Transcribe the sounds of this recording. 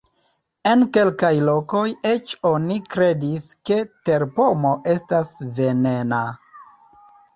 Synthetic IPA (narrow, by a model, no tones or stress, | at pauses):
e̞nke̞lkajlo̞ko̞je̞t͡ʃo̞nikɾe̞diske̞te̞ɾpo̞mo̞ʔe̞stasve̞nena